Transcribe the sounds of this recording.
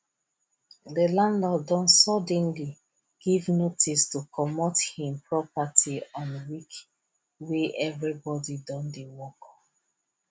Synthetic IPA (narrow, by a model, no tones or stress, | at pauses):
dəlãndɔldɔ̃nsɔdɛ̃nli | ɡ̥ivnotʰistukʰɔmɔthĩmpɹɔpatʰiɔ̃nwik | weʔɛvɹibɔdidɔ̃ndiwɔkɔ